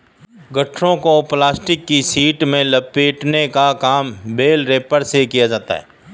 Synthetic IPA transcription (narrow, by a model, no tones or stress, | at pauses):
ɡɐʈʰɾõkoplaːsʈɪkːisiːʈmẽləpeːʈnekakaːmbeːlɾeːpəɾsekijad͡ʒaːt̪a̰ɦɛ̰ː